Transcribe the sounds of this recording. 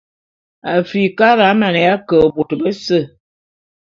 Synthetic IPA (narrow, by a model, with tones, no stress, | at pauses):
a˨fi˨ka˦ɾa˨˦ma˨nə˨ja˦kə˨bo˨tə˨bə˦sə˦˨